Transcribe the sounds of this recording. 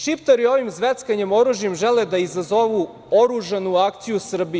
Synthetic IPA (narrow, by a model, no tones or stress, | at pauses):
ʃipt̪aɾio̞ʋimzʋet̪skaɲemo̞ɾuʒjemʒeled̪aizazo̞ʋu | o̞ɾuʒanuakt̪sijusr̩bi